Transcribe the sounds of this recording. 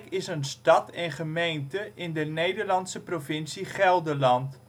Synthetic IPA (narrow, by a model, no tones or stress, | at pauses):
kɪsənstɑtɛnχəmejntəʔɪndənejdərlɑntsəprofɪnsiχɛlˠdəlɑnt